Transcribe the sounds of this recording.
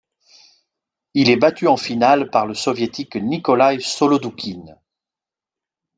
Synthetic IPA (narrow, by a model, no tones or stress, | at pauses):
ilɛbat̪yɑ̃finalpaʁləsɔvjet̪iknikɔlajsɔlɔd̪ukʲʰin